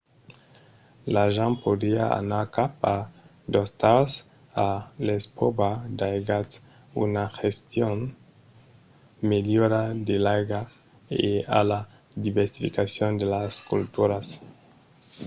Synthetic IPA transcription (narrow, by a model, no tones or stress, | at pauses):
laʒãmpod̪ia̰a̰nakapa | d̪ost̪as | alespobad̪ajɡas | ṵnaxest̪jon | meljoɾad̪elaɡa | ea̰la | d̪iβeɾsifikasjond̪elaskṵlt̪uɾas